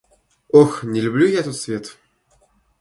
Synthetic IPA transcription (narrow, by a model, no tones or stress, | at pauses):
oxnʲɪlʲʊblʲujaɛt̪ot̪svʲe̞t̪